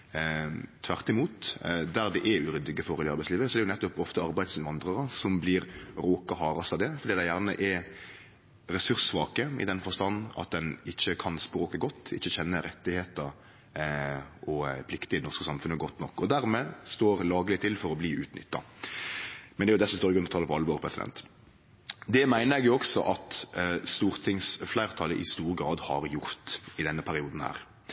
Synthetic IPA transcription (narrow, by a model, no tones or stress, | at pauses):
t̪ʰʋæʁt̪ɪmuːt̪d̪æɾd̪ɛʔɛʉɾʏd̪ɪɡəfɔɾlɪɑɾbæɪsliːʋəsɔɛɾjʊnɛt̪ːʊpɔft̪əɑɾbæɪd̪sʋɑnd̪ʁəɾəsɔmbliːɾɾoːkɑhɑːɾɑsɑd̪ɛfɔɾd̪iːd̪æɪjæʁnə̰ʔɛ | ɾɛsʉɾsʋɑːkəɪ̰d̪ɛnfɔʁst̪ɑnːɑ̰t̪̚d̪ɛnɪçːəkʰɑnspɾoːkəɡɔt̪ːɪ̰çːəçɛnːəɾɛt̪ːɪheːt̪əɾ | ɔpʰlɪkt̪ɪd̪ɛnɔɾskəsɑmfʉnəɡɔt̪ːnɔkːɔd̪æɾmɛːst̪oːɾlɑːɡlɪt̪ʰɪlfɔɾɔbliːʉːt̪nʏ̰t̪ːɑ | mɛnd̪ɛæɾjʊd̪ɛsɔmst̪oːɾɪɡɾʉnɔt̪ʰɑləpʰɔɑlːəʋoːɾpʰɾɛsɪd̪ɛ̰nt̪ | d̪ɛmæɪnəɾɛɡjʊɔksɔ̰ʔɑt̪st̪uːɾt̪ʰɪŋsflæɪɾt̪ʰɑləʔɪst̪uːɾəɡɾɑːd̪hɑɾjʊɾt̪ɪd̪ɛnːəpʰæɾɪuːd̪n̩hæ̰ːɾ